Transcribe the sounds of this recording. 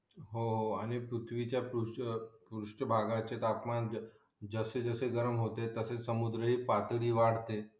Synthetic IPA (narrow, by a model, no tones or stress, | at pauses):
ɦoɦoaɽ̃ipɾut̪ʰʋit͡ɕjapɾupɾuʂʈəbʱaɡat͡ɕet̪apman | d͡zəsed͡zəseɡəɾəmɦot̪et̪əset͡ssəmud̪ɾəɦiːpat̪ɽiːʋaɽ̤t̪e